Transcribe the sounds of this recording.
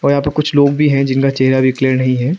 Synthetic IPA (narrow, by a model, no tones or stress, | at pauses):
ɔːɾjɐɦaːpɐɾkʊt͡ʃʰloːɡbʱiɦɛ̃d͡ʒɪnkat͡ʃɛɦɾabʱikleːɾnɐɦĩɦɛː